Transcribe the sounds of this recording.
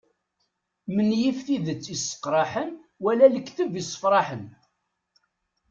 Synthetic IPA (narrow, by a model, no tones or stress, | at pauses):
mənjifθiðət͡sːisˤːə̥qːɾˤɑħən | wælæləkːθəvisˤːə̥fɾˤɑħən